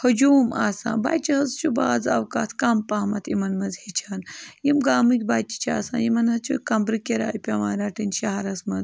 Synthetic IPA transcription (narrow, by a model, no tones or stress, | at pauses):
hɐd͡ʒuːmaːsã̰ːnba̰ːt͡ʃiɦɐzt͡ʃubaːd͡zɐ̰ʋkaːt̪ʰkampaːmɐt̪ʰimɐnmɐzhit͡ʃʰaːnjimɡaːmɨkʲbaːt͡ʃi̥t͡ʃʰa̰ːsa̰ːnjimɐnɦɐt͡ʃʰṵkɐmbɾɨkʲeɾa̰ːjpʲɐmaːɾaːʈinʃɐɦaɾɐsmɐd̪